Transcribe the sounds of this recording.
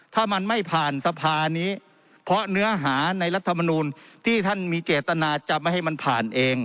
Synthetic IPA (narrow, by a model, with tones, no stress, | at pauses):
t̪ʰaː˥˩ma˧nma˥˩jpʰaː˨˩nsa˧pʰaː˧niː˦˥ | pʰɔ˦˥nɯ˦˥ɐɦaː˩˦na˧jla˦˥t̪ʰːa˧mɔ˧nuː˧nt̪ʰiː˥˩t̪ʰa˥˩nmiː˧t͡ɕeː˨˩t̪ːa˧naː˧t͡ɕa˧ma˥˩ɦha˥˩jma˧npʰa̰ː˨˩nʔeː˧ŋ